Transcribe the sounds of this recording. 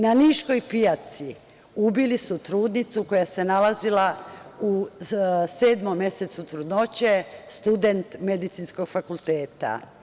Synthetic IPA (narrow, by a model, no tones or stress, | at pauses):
naniʃko̞jpijat̪si | ubilisut̪ɾuːd̪nit̪suko̞jase̞nalazilau | se̞ːd̪momːje̞set̪sut̪ɾud̪not͡ɕest̪ud̪e̞nt̪me̞d̪it̪sinsko̞ɡfakulˠt̪e̞ːt̪a̰